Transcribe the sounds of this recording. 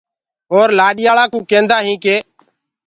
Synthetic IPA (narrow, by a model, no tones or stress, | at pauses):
ɦoːɾlaːɗɪjaːɭãːkũːkẽːnd̪aːɦĩːkeː